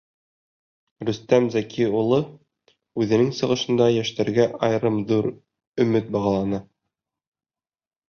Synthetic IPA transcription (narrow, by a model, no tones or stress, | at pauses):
ɾɵ̆st̪æmzækʰiulˠɤ | ʉðɘ̆nɘŋsɤ̆ʁɤ̆ʃɤ̆nd̪ɑjæʃt̪æɾɡæʔɑjɾɤmðuɾ | ɵ̆mɘt̪̚bɑʁɑ̆lˠɑnɤ